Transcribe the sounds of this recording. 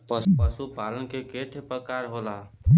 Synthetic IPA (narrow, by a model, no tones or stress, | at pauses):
pəpəsupalənkekeʈʰepɾəkaɾɦolat̪